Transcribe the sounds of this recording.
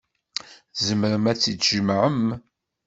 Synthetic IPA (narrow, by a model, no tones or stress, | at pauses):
zəməɾəmæt͡sːit͡sːʒəmʕəm